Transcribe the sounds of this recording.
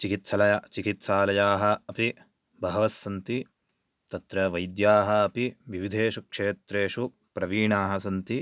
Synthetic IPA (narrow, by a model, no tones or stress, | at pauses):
t͡ʃikit̪sɐlɐjat͡ʃikit̪saːlɐjaːɦɐ̆ɐpi | bʱɐɦɐʋɐsːɐnt̪i | t̪ɐt̪ɾɐʋɐjd̪jaːɦɐɐpiʋiʋid̪ʱeːʃukʂeːt̪ɾeːʂu | pɾɐʋiːɳaːɦɐsɐnt̪i